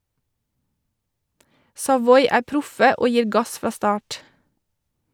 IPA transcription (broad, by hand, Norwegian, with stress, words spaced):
sɑˈʋɔʏ ˈæː ˈpɾʊfə ˈoː ˈjiːɾ ˈɡɑs ˈfɾɑː ˈstɑːʈ